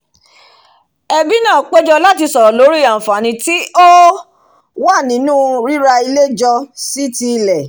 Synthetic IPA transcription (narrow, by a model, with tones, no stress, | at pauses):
ɛ˧bi˦nã˦˨k͡pe˦d͡ʒɔ˧la˦ti˧sɔ˨ɾɔ˨lo˨˦ɾi˦˨a˨fa˨nĩ˧ti˦o˦ | wa˦˨nĩ˨˦nũ˦ɾi˦ɾa˧i˧le˦d͡ʒɔ˧si˦ti˧lɛ˨